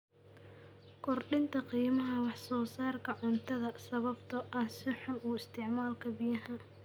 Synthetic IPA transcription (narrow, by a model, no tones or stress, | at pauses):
kʰɔrɖɪnt̪ʰɐqiːmɐɦɐwɑħsɔːsaːrkʰɐʕʊnt̪ʰɐðɐsɐβɐbt̪ʰɐʔɐhsɪħʊmuːɪst̪ʰɪʕmaːlkʰɐbijɐɦɐ